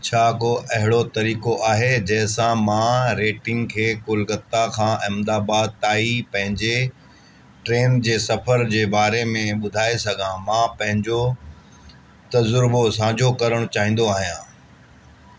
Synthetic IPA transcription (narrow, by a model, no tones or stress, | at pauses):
t͡ɕʰaːkoʔɐɦɪɽot̪ɐɾiːkoʔaːɦed͡ʑɐɦɪ̃sãmãɾeːʈɪ̃ŋɡkʰeːkʊlɡət̪ːakʰãːʔɪmd̪aːbaːd̪̚t̪aːipɐ̃ɦɪ̃ɲd͡ʑe | ʈɾeːnd͡ʑeːsɐfʰəɾd͡ʑeːbaːɾemẽɓʊd̪ʱaːesɐɡʱãmãpɐ̃ɦɪ̃ɲd͡ʑo | t̪ɐzʊɾbosãːd͡ʑʱokɐɾəɽ̃t͡ɕaːɦĩːn̆d̪oaːɦijãː